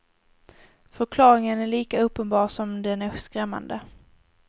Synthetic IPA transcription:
fœɾkʰlɑːɾɪŋənæɭiːkaɵpːənbɑːʂɔmd̪ɛnæskɾɛmːa̰nd̪ə

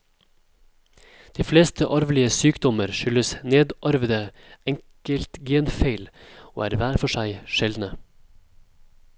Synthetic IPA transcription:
d̪̥iːfleːst̪ʰəʔɑɾʋlɪəsyːkd̪ɔməɾʃʏləsneːd̪ʔɑɾʋd̪ə | ɛŋkəlt̪ɡeːnfeɪlo̰ːæ̰ːɾʋæːɾfɔʃæɪʃɛld̪nə

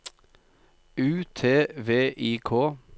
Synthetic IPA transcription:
ʉːt̪ʰeːʋeːʔiːkʰoː

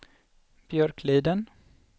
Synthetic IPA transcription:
b̥jœɾkʰliːd̪ən

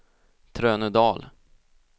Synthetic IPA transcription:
t̪ʰɾøːnɵd̪ɑːl

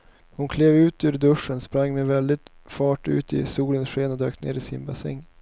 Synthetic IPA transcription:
hʊnkʰleːvʉ̟ːt̪ʉɾd̪ɵʂːənspɾaŋːmɛvɛld̪ɪt̪ | fɑːʈʉ̟̰ːt̪ɪsuːlənsʂeːnɔd̪øːkt̪nḛːɾɪsɪ̰nbɑsɛ̰ŋː

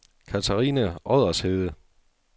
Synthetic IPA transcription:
kʰæt͡sʰæʁiːnəɒðˠɐsheðˠə

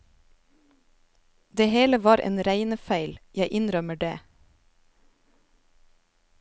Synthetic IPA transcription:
d̪eːheːləʋɑːɾʔḛːnɾæɪnəfæɪljæɪʔɪnɾœməɖḛː

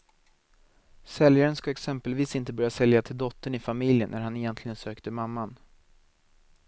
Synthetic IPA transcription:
sɛljaɾənskaɛksɛmpəlviːsɪnt̪əbœɾjasɛljat̪ʰɪld̪ɔt̪ːəɳɪfamɪljənːæɾhanɪjɛnt̪ʰlɪɡənsøːkt̪əmamːan

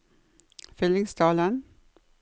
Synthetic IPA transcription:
fʏlɪŋsd̪ɑːlən

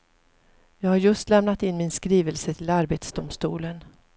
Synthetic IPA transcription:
jɑːɡhaɾjɵst̪lɛmnat̪ɪnmɪnskɾiːvəlsət̪ʰɪlaɾbet̪sd̪ʊmst̪ṵːlən

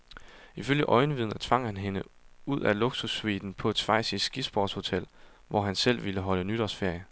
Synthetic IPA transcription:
iføl̰jəʔɒ̽ɪnəʋið̰ˠn̩ˠæt͡sʰʋɑ̈ŋ̰hænɦe̝nəuð̞̰ˠʔælo̝ɡ̥susʋid̥n̩pʰɒ̽ed̥sʋɑ̈ɪsisːɡ̥isb̥ɒːd̥sho̝t͡sʰel̰ | ʋʔɒ̰ɦænsel̰ʋiləɦɒ̽lənyd̥ɒsfe̝ɐ̰jə

